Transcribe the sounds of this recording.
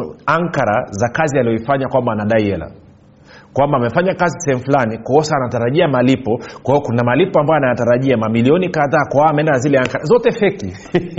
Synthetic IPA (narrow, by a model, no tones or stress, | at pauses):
aŋkaɾazakazialijɔifaɲakwambaːnaɗaiɛla̰ | kwambaːmɛfaɲakazisɛhɛmufulanikaɔsaːnataɾaʄiamalipɔkwahijɔkunamalipɔambajanajataɾaʄiamamiliɔnikaðaːkwaaamɛɛndanazilɛaŋkaɾazɔtɛfɛki